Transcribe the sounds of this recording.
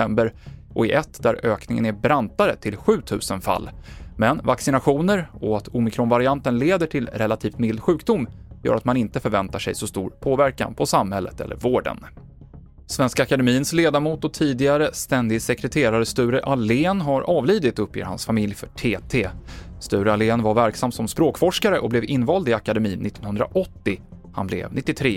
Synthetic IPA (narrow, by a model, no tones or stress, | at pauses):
ɛmbəɾʔɔɪʔɛt̪ːd̪æɾøːknɪŋə̰næbɾant̪aɾət̪ʰɪlɧʉ̟ːt̪ʰʉ̟ːsənfa̰lːmɛnvaksɪnaɧuːnəɾɔat̪ʰʊmɪkʰɾɔnvaɾɪant̪ənleːd̪əʈʰɪlɾɛlat̪ʰiːft̪mɪld̪ɧʉ̟ːkd̪ʊmːjœ̰ːɾat̪manɪnt̪əfœɾvɛnt̪aʂɛ̰jsɔst̪ṵːɾpʰoːvæɾka̰npʰɔsamhɛlːə̰t̪ɛ̰lːə̰ɾvoːɖə̰n | svɛnskaakad̪ɛmiːənsleːd̪aɾmuːt̪ɔt̪ʰiːd̪ɪɡaɾəst̪ɛnd̪ɪsɛkɾɛt̪ʰeːɾaɾəst̪ʉ̟ːɾəʔaleːnɦaɾʔɑːvliːd̪ɪt̪ɵpʰjḛːɾha̰nsfamɪljfœʈʰeːt̪ʰeːst̪ʉ̟ːɾəaleːnvaɾvæɾksamːsɔmspɾoːkfɔʂkaɾəʔɔblɛvɪnːvɑːld̪ɪakad̪ɛmiːnːɪt̪ːɔnhɵnd̪ɾa̰ʔɔt̪ːɪ | ha̰nblɛ̰vnɪt̪ːɪt̪ʰɾeː